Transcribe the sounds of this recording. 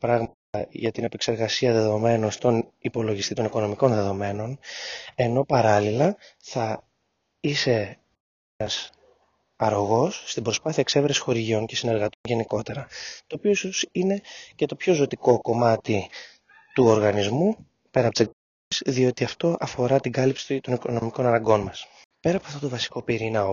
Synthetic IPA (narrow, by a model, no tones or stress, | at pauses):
pɾɐɣmɐt̪ɐʝɐt̪ine̞pe̞kse̞ɾɣɐsiɐðe̞ðo̞me̞nost̪o̞nipo̞lo̞ʝist̪it̪o̞niko̞no̞miko̞nðe̞ðo̞me̞no̞ne̞no̞pɐɾɐlilɐθɐ | ise̞ | ɐs | ɐɾo̞ɣo̞sːt̪ibɾo̞spɐθiɐkseveɾesi̥xo̞ɾiʝio̞ŋce̞sine̞ɾɣɐt̪onʝe̞niko̞t̪e̞ɾɐt̪o̞ːpio̞isosine̞ce̞t̪o̞pço̞zo̞t̪iko̞ko̞mɐt̪i | t̪uo̞ɾɣɐnizmu | pe̞ɾɐpot̪se | sðio̞t̪iɐft̪o̞ʔɐfo̞ɾɐt̪iɡɐlipsi̥t̪t̪o̞niko̞no̞miko̞nɐnɐŋɡo̞nmɐs | pe̞ɾɐpoɐft̪o̞t̪o̞vɐsi̥ko̞piɾinɐo